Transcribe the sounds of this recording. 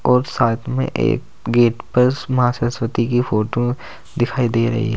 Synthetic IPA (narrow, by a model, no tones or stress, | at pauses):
ɔːɾsaːt̪ʰmḛ̃ʔḛːk | ɡeːʈpɐɾmɐɦasəswət̪ikifoːʈo | d̪ɪkʰaːid̪eːɾɐ̰ɦḭɦɛ